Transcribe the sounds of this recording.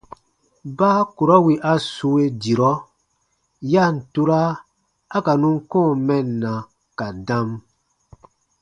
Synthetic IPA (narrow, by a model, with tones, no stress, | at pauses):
baː˦ku˨ɾɔ˦wi˨ʔa˨su˧˦e˦di˨ɾɔ˦ | ja˦˨n̩˨tu˧ɾaː˦ | ka˨nũ˦ŋkɔ̃ː˦˨mɛ̃˨nːã˨ | ka˨dã˦m